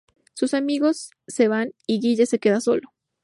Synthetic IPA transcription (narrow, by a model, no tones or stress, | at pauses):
susamiɣo̞sː | e̞βaniɣiʝese̞ke̞ðaso̞̰lo